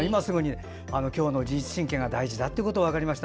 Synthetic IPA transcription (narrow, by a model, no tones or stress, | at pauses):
imasɨɡɯ̟ɲ̟i | ano̞kʲo̞ːno̞d͡ʑiit͡sɨ̥ɕĩŋkẽ̞ŋɡad̪aiʑid̪at̪ːeɯko̞t̪oβakaɾʲimaɕi̥t̪